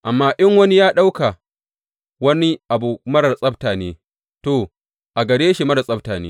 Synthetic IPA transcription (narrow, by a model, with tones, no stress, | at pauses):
ʔa˨mːaː˦ʔɪ˦ŋwɐ˦ni˦jaː˦ɗa˦wka˨ | wɐ˦ni˦ʔa˨bu˨mɐ˦ɽɐ˨sʼɐ˦btaː˨neː˦ | to˨ | ʔa˨ɡɐ˨ɽeː˦ʃi˨mɐ˦ɽɐ˨sʼɐ˦b̚taː˨nḛː˦